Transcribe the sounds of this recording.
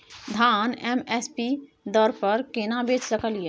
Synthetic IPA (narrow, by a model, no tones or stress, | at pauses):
d̪ʱaːnɛmɛspi | d̪ɔɾpəɾkenabeːt͡ʃsəkəlije